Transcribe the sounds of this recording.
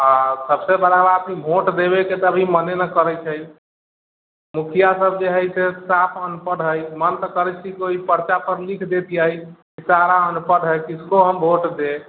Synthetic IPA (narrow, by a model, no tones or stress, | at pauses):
asəbsebəɾabət̪ʰibʱoʈd̪eβeket̪ɔəbʱimənenəkəɾət͡ʃʰəj | mukʰijasəb̚d͡ʒeɦəjsesapʰənpəɽɦəjmənt̪əkəɾɛt͡ʃʰikoipəɾt͡ʃapəɾlikʰd̪et̪ijəjkisaɾaənupəɽɦəjkiskoɦəmbʱoʈd̪e